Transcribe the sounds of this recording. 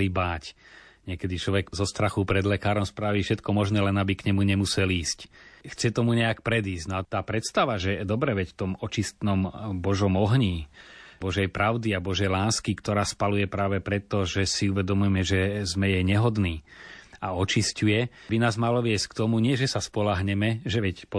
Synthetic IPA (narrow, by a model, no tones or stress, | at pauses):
ibaːcɲɪɛkɛd̪it͡ʃlɔʋɛɡzɔst̪ɾaxupɾɛd̪lɛkaːɾɔmspɾaːʋifʃɛt̪kɔmɔʒnɛːlɛnabikɲɛmuɲɛmusɛliːscxt͡sɛt̪ɔmuɲɛakpɾɛd̪iːszɟnɔat̪aːpɾɛt̪st̪aʋaʒɛd̪ɔbɾɛʋɛcft̪ɔmɔt͡ʃist̪nɔmbɔʒɔmɔɦɲiːbɔʒɛjpɾaʊd̪iabɔʒɛjlaːskikt̪ɔɾaːspalujɛpɾaːʋɛpɾɛt̪ːɔʒɛsiuʋɛd̪ɔmujɛmɛʒɛzmɛjɛjɲɛɦɔd̪niːaɔt͡ʃiscujɛbinaːzmalɔʋɪɛsckt̪ɔmuɲɪɛʒɛsaspɔlaɦɲɛmɛʒɛʋɛcpɔ